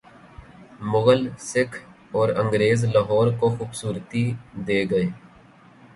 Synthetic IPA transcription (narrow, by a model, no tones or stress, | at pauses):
mʊɣəlsɪkʰ | ɔːɾə̃ŋɡɾeːzlaɦɔːɾkoxuːbsuːɾt̪id̪eːɡəeː